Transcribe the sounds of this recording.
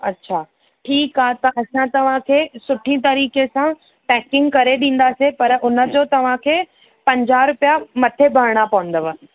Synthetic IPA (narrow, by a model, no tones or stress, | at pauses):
ɐtːɕʰaː | ʈʰiːkɦaːt̪ɐʔɐsãt̪ɐʋ̤ãkʰeːsʊʈʰĩt̪ɐɾiːkesã | pɛːkɪ̃ŋɡkɐɾeɗĩːn̆d̪aːsepɐɾʔʊnə̆d͡ʑoːt̪ɐʋ̤ãkʰeː | pɐ̃ɲd͡ʑaːɾʊpijamɐt̪ʰebʱɐɾɽ̃apɐʋə̃n̆d̪əʋə